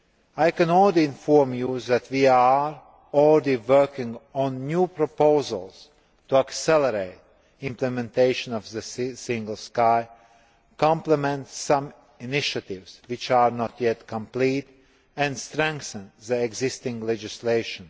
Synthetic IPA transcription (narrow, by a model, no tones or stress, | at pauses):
ajkɛ̃nɔlliɪ̃nfɔɾmjuðæt̪wiːaɹ | ɔɹdiʋɜɹkɪ̃ŋɡɔ̃nːjuːpɾɔpoʊzə̰lˠs | t̪uaksɛləɾeɪt̪̚ | ɪ̃mplɛmɛ̃nt̪eɪʃə̃nɔvðəssɪ̃ŋɡəl̩ˠskaɪ | kɔ̃mplɛmɛ̃nt̪sãm | inɪʃat̪ɪvswɪt͡ʃaɾnɔt̪jɛt̪kʰɔ̃mpliːt̪ | æ̃nst̪ɾɛ̃ŋkθə̃nðəɛɡzɪst̪ɪ̃ŋɡlɛd͡ʒɪsleɪʃə̃n